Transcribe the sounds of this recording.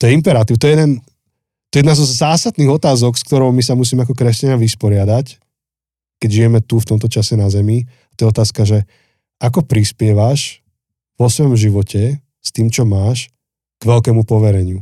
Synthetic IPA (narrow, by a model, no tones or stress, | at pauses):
t̪ɔjɛimpɛɾat̪iːʊt̪ɔɛjɛd̪ɛn | t̪ɔjɛjɛd̪nazɔzaːsad̪niːɣɔt̪aːzɔkskt̪ɔɾɔʊmisamus̬iːmɛak̬ɔkɾɛscaɲaʋispɔɾɪad̪ac | kɛɟʒijɛmɛt̪uft̪ɔmt̪ɔt͡ʃasɛnazɛmi | at̪ɔjɛɔt̪aːskaʒɛ | akɔpɾispɪɛʋaʃ | ʋɔsʋɔjɔmʒiʋɔcʰɛ | st̪iːmt͡ʃɔmaːʃ | ɡ̥ʋɛlkɛːmupɔʋɛɾɛɲɪu